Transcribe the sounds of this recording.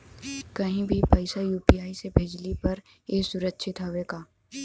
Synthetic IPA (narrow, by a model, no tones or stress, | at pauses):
kɐɦĩbʱipɐɪsajuːpiaːisebʱeːd͡ʒlipɐɾ | eːsʊɾətːʃʰɪt̪ɦoʋeːɡaː